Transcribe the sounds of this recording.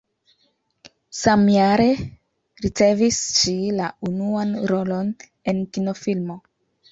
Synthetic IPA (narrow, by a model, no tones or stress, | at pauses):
samjaɾe̞ | ɾit͡se̞visʃilaunuanɾolo̞n | e̞nkino̞filmo̞